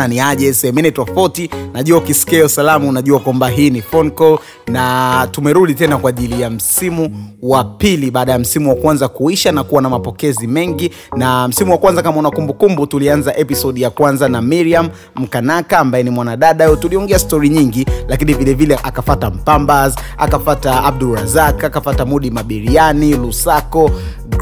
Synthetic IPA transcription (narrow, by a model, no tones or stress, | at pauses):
aniaʄɛsɛɛmɛnɛtɔfautinaʄuaukiskɛɔsalamunaʄuakwambaɦiːnifɔnkɔ | natumɛɾuɗitɛnakwaʄilijam̩simuwapiliɓaːɗajam̩simuwakwanzakuiʃanakuwanamapɔkɛzimɛŋɡi | nam̩simuwakwanzakamaunakumbukumbutulianzaʔɛpisɔɗjakwanzanamiɾiam | m̩kanakaːmbajɛnimwanaɗaɗaɔtuliɔŋɡɛastɔɾiɲiŋɡilakinivilɛvilɛʔakafatam̩pambaz | a̰kafataːb̚duɾazakakafatamuɗimaɓiɾianilusakɔ